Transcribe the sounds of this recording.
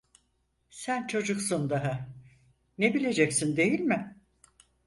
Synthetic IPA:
sænt͡ʃʰo̞d͡ʒuksund̪aɦɯ | nebilʲe̞d͡ʒɛcsind̪e̞jilʲmɪ

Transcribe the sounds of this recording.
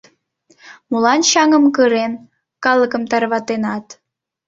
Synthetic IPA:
mulɑnɕɑŋəmkəɾen | kɑlˠəkəmt̪ɑrβɑt̪enɑt̪

